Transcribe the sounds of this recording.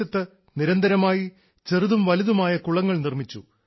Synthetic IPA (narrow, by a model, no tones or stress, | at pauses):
ɐt̪ːɨ | niɾɐnd̪ɐɾɐmaːji | t͡ɕe̞rɨðumʋɐliðumaːjɐkuɭɐŋːɐɭnirmit͡ɕːṵ